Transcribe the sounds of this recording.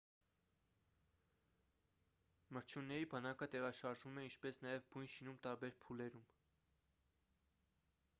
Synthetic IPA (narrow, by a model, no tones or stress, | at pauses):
məɾt͡ʃʰjunːɛɾibɑnɑkət̪ɛʁɑʃɑɾʒumɛint͡ʃʰpɛsnɑjɛvbujnʃinumt̪ɑɾbɛɾpʰulɛɾum